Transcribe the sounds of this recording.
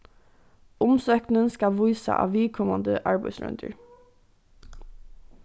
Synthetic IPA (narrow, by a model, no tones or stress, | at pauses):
ʊmsøːknənskɑʋuʏsɑ̰ʔɑ̰ːʋiːkʰɔmɑnd̪əʔɑːɹbæɪsɹœ̰nd̪ʰə̰ɹ